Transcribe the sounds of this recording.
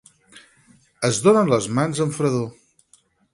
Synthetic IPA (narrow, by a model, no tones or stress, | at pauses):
əzðonənləzmanzəɱfɾəðo